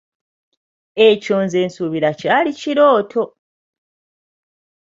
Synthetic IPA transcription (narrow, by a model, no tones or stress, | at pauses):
e̞co̞ːnze̞ːnsuβiɾacaːliciɾo̞ːtʰo̞